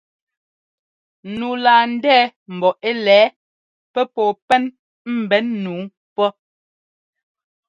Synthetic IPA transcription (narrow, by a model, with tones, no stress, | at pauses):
nuː˨laː˨n̩˦dɛː˦m̩˨bɔ˨ʔe˦lɛː˨˦ | pɛ˦pɔː˨pɛ˦n | m̩˨bɛ˨˦nːuː˨˦ | pɔ˦